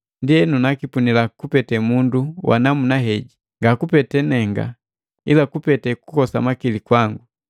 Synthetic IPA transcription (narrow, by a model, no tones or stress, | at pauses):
ndiɛnunakipunilakupɛtɛmunduwʔa̰namunaɦɛɟi | ŋɡakupɛtɛnɛŋɡa̰ | ilakupɛtɛkukɔsa̰makilikwaŋɡu